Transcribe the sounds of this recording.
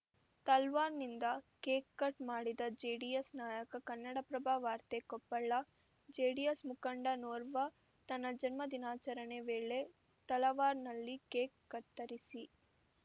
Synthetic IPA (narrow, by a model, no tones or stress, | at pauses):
t̪ɐlʋaːɾnind̪ɐkeːkːɐʈmaːɽid̪ɐd͡ʒeːɽijesnaːjɐkɐkɐnːɐɽɐpɾɐbʱaːʋaːɾt̪ekɔpːɐɭːɐ | d͡ʒeːɽijesmukɐɳɖɐnoːɾʋɐ | t̪ɐnːɐd͡ʒɐnmɐd̪inaːt͡ʃɐɾɐneʋeːɭe | t̪ɐlɐʋaːɾnɐlːikeːkːɐʈ̪ːɐɾisi